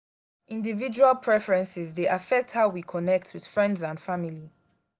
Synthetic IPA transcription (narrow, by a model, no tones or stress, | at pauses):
ĩndivid͡ʒualˠpʰɹɛfəɹɛ̃nsɪzðeʔafɛk̚thaʊwikʰɔnɛk̚tʰwið̥fɹɛ̃ndzãndfamili